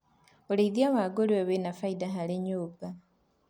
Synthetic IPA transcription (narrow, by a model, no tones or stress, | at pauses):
oɾeiðjawaɡoɾioβenafaidaɦaleɲoːba